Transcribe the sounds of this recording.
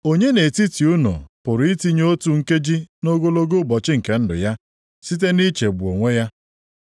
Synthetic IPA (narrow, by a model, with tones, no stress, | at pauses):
o˦ɲe˦ne˨ti˦ti˨u˦no̰˨pʊ˨ɾʊ˨i˦ti˦ɲo˦tu˨ŋ̩˦ke˦d͡ʒi˦no˦ɡo˦lo˦ɡo˦bɔ˨t͡ʃɪ˦ŋ̩˨ke˦n̩˦dʊ̰˨ja˦ | si˦t̬e˦ni˦t͡ʃe˨ɡ͡bu˨o˨ŋʷe˦ja˦